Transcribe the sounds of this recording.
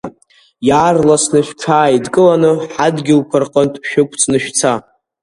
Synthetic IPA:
jaːrlasnɨʃᶣʈ͡ʂʰaːidkʼɨlanɨħadɡʲɪlkʷʰɨrqʼəntʼʃᶣʊkʷʰʼt͡sʰnɨʃᶣt͡sʰa

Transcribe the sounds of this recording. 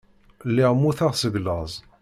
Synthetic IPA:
lːiʁmuθaʁsəɡləzˤ

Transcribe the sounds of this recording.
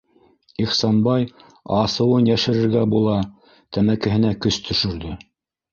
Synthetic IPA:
iχsɑnbɑj | ɑsɤ̆wɤnjæʃɘ̆ɾɘ̆ɾɡæbulˠɑ | t̪æmækɘ̆ɦɘ̆nækɵst̪ʰɵ̆ʃɵ̆ɾðɵ

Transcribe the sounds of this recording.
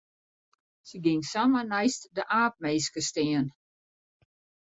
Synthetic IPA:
səɡɪŋsamənɛjstdəʔaːp̚meːskəstɪən

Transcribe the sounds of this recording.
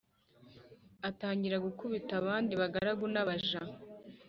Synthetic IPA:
ataːɲɟiɾaɡukuβitaβaːndiβaɡaɾaɡunaβaʒa

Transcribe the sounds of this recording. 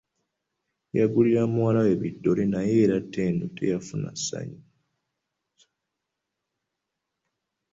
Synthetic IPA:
jaɡuliɾamuwalawe̞βidːo̞lenaje̞ːɾatːe̞ːndutʰe̞̰jafuna̰sːa̰ɲi

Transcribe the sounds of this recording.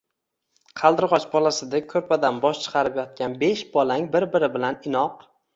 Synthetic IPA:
qʰɑlˠd̪ɪɾʁɒt͡ʃbɒlasɪd̪akʰɵɾpʰad̪anbɒʃt͡ʃʰɨ̥qʰɑɾɪpjɒt̪̚kʲanbeʃb̥ɒlaŋbɪɾbɪɾɪbɪlanɪnɒq

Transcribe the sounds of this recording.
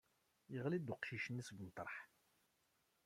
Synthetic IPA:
jəʁlid̪ʊqʃiʃənːisɡənt̪ˤːəɾˤħ

